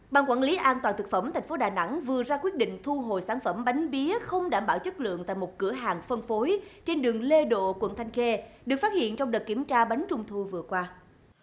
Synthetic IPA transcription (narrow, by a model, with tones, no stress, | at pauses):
ɓaː˧˩ŋkwaː˧˩nli˨˦ʔaː˧nt̪waː˨˩t̪ɨ˨˩k̚fə˧˩mt̪ʰa˨˩jŋ̟fo˨˦ɗaː˨˩na̰˧˥ŋvɨ˨˩ətzaː˧kwi˦˥ət̚ɗḭ̈˧˨ŋ̟t̪ʰu˧ɦo̰˧˨jsaː˧˩nfə˧˩mɓa˨˦jŋ̟ɓi˨˦əxə˧wŋ͡mɗaː˧˩mɓaː˧˩wt͡ɕɨ˦˥t̚lɨ̰˧˨əŋt̪a̰ː˧˨jmo˨˩t̚kɨ̰˧˩əɦaː˨˩ŋfə˧ŋfo˨˦jt͡ɕe˧nɗɨ˨˩əŋle˧ɗo̰˧˨kwə̰˧˩˨nt̪ʰa˧jŋ̟xe˧ɗɨ˨˩ək̚faː˦˥t̚hḭ˧˨ənt͡ɕɔ˧wŋ͡mɗə˨˩t̚ki˧˩əmt͡ɕaː˧ɓa˨˦jŋ̟t͡ɕʊ˧ŋ͡mt̪ʰu˧vɨ˨˩əkwaː˧